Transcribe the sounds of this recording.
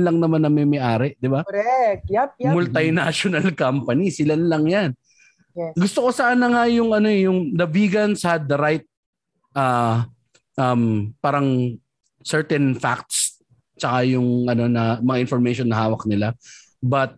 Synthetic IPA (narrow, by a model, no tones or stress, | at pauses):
nlɐŋnɐmanːɐmɛmɛʔaːɾɛʔd̪ɪba | mʊlt̪ɐjnaʃonɐlkampɐnisɪlanlɐŋjan | ɡʊst̪oko̞saːnɐŋajʊŋʔɐno̞ɛjʊŋd̪ɐbiːɡɐnsɐɐd̪̚ɐɾajt̪̚ | ʔa | ʔɐmpaːɾɐŋ | sɛɹt̪ɛnfa̰k̚t̪s | t͡ʃɐkajʊŋʔɐno̞nɐmɐŋaʔɪ̃nfɔɹmɛjʃonːɐhaːwɐk̚nɪla | bɐt̪̚